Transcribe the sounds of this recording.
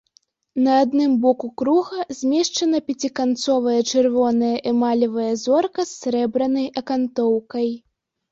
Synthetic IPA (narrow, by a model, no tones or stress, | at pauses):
nɐːd̪nɨmbɔkukɾuɣɐzʲmʲɛʂt͡ʂɐnɐpʲat͡sʲikant̪sɔvɐjɐt͡ʂɨrvɔnɐjɐʔimalʲɐvɐjɐzɔrkɐsʲːɾɛbɾɐnɐjʔɐkant̪ɔwkɐj